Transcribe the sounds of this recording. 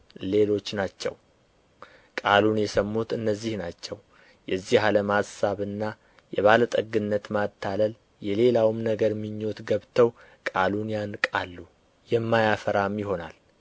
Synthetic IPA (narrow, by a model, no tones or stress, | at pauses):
le̞lo̞t͡ʃːnat͡ʃːɛ̰w | kʼalunjɛsəmːut̪ɨnːəzːihnat͡ʃːɛw | jɛzːihaləmhasaβɨnːa | jɛβalət̪ʼəɡːɨnːət̪mat̪ʰːaləl | jɛle̞lawmnəɡəɾmiɲːo̞t̪ɡəβt̪ʰəw | kʼalunjankʼalːu | jɛmːajafəɾamjɪho̞nal